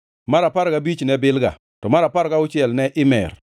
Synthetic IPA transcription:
maɾapaɾɡabit͡ʃnɛbɪlɡa̰ | tɔmaɾapaɾɡaʊt͡ʃɪɛlnɛʔɪmɛ̰r

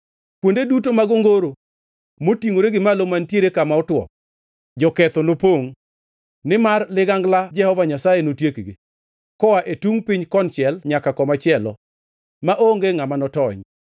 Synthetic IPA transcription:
pwondedut̬omaɡoŋɡoɾo | motiŋoɾeɡɪmalomantjeɾekamaɔtwɔ̰ | d͡ʒɔkɛt̪ɔnopoŋ | nɪmarlɪɡaŋɡlad͡ʒɛhɔvaɲasajenotjekɡi | kɔwaʔetuŋpɪɲkɔnt͡ʃɛlɲakakɔmat͡ʃɪɛlɔ̰ | maʔoŋɡeŋamanɔtɔɲ

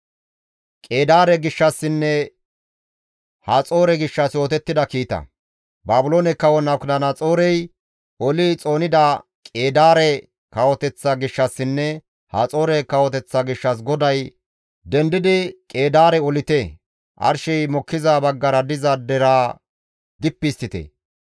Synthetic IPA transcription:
kʼe̞ːd̪aːɾɛɡɪʃːɐsːɪnːɛ | hat͡sʼo̞ːɾɛɡɪʃːɐsjo̞ːt̪ɛt̪ːɪd̪ɐkiːt̪ɐ̰ | baːbʊlo̞ːnɛkːɐwɔnɐkdɐnɐt͡sʼo̞ːɾɛj | ɔlɪt͡sʼo̞ːnɪd̪ɐ | kʼe̞ːd̪aːɾɛ | kɐwɔt̪ɛt͡sːɐɡɪʃːɐsːɪnːɛ | ha̰t͡sʼo̞ːɾɛkɐwɔt̪ɛt͡sːɐɡɪʃːɐs̬ɡɔd̪ɐj | d̪ɛnd̪ɪd̪ɪkʼe̞ːd̪aːɾɛɔlɪt̪e | ʔɐ̰ɾʃɛjmɔkːɪzabɐɡːɐɾɐd̪ɪzɐd̪ɛɾaː | d̪ɪpːɪst̪ːɪt̪ɛ̰

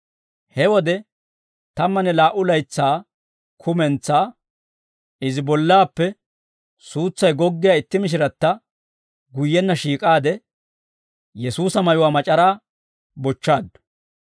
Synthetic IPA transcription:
hɛwɔd̪ɛ | t̪ɐmːɐnɛlaːʔʊlɐjt͡sːaː | kʰʊmɛnt͡sːaː | ɪzɪbɔlːaːpːɛ | suːt͡sːɐjɡɔɡːɪjaːɪt̪ːɪmɪʃ̬ɪɾɐt̪ːɐ | ɡʊjːɛnːɐʃiːkʼaːd̪ɛ | jɛsuːsɐmɐjʊwaːmɐt͡ʃʼɐɾaː | bɔt͡ʃːaːd̪ːʊ̥

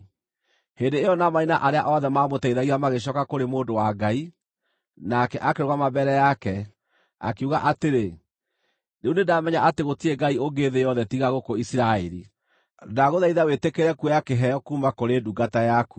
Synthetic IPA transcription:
hendeːjɔnamainaʔaɾeaʔɔðɛmamotaiðaɣiɾamaɣeɕ̬ɔkakoɾemoːdowaɡai | nakɛʔakeɾoɣwamabɛɾɛjakɛ | a̰keuɣaʔateɾe | neunedamɛɲaʔateɣotieɡaioɡeðejɔðɛtiɣaɣokoisiɾaɛɾḭ | daɣoðaiðawetekeɾɛkuɛjakeɦɛjɔkuːmakoɾeːduɡatajaku

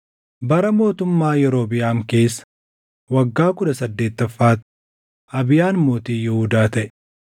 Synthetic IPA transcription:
bɐɾɐmo̞ːt̪ʊmːaːjɛɾo̞ːbɪjaːmke̞ːsːɐ̥ | wɐɡːaːkʊᶑɐsɐd̪ːe̞ːt̪ːɐfːaːt̪ | ɐbɪjaːnmoːt̪iːjɛhʊd̪aːt̪ɐʔɛ

